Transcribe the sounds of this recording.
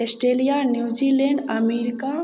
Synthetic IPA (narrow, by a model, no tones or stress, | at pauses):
esʈɾelijanjud͡ʒileɳɖɐmeɾika